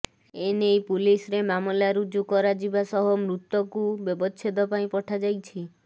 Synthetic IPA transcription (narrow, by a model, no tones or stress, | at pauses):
enejpulisɔɾemamɔlaɾud͡ʒukɔɾad͡ʒibasɔɦɔmɾut̪ːɔkubjɔbɔt͡ʃʰed̪ɔpaĩpɔʈʰad͡ʒajt͡ʃʰi